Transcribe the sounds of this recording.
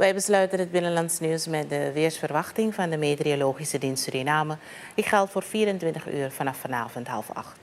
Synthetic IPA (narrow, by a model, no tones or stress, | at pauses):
ʋɛjbəslœɥtənɦət̚bɪnənlɑntsnywsmɛt̚dəʋɪərsfərʋɑχtɪŋvɑndəmeːtrioloːχisədinstədinaːmə | ɪkχɛlˠtfoːrfiːɾəntʋɪntəχy̰ːrfɑnɑfɑnaːvɔntɦɑ̰lˠfɑ̰χt